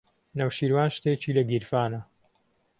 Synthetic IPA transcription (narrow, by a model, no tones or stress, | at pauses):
nɐwʃiːɾwaːnʃt̪eːt͡ʃiːlɐɡiɾfaːnɐ